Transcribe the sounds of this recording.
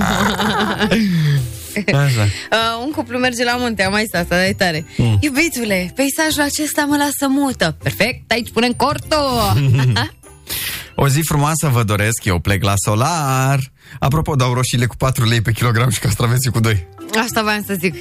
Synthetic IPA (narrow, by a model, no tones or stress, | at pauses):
aʃaəuŋkuplume̞rd͡ʒe̞lamunt̪eamaist̪ast̪ad̪aejt̪aɾejubit̪ule̞pejsaʒulat͡ʃe̞st̪aməlasəmut̪əperfek̚t̪ait͡ʃʲpunəŋkort̪o | o̞zifɾumoasəvəd̪o̞ɾe̞skjewpleklaso̞lar | a̰p̬ɾo̞po̞d̪awɾo̞ʃile̞ku̥pat̪ɾule̞jpe̞kʲilo̞ɡɾamʃi̥kast̪ɾavesʲikud̪o̞jaʃt̪avamsəzik